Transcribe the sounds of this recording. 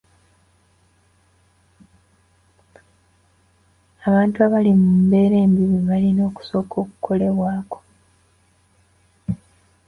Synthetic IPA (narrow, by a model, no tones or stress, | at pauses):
aβaːntuaβalimumbe̞ːɾeːmbiβiβalino̞ːku̥so̞ːko̞ːku̥kʰo̞le̞βwaːko̞̥